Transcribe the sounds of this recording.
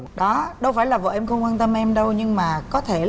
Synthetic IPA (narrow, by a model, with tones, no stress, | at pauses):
ɗɔ˨˦ɗə˧wfaː˧˩jlaː˨˩və̰ː˧˨˩ʔɛ˧mxə˧wŋ͡mkwaː˧nt̪ə˧mʔɛ˧mɗə˧wɲɨ˧ŋmaː˨˩kɔ˨˦t̪ʰe˧˩